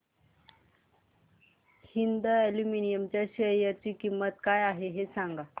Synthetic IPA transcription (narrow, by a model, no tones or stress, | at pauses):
hind̪aɛluminijəmt͡ɕjaɕəjat͡ɕiːkimːət̪kajaɦeɦesãŋɡa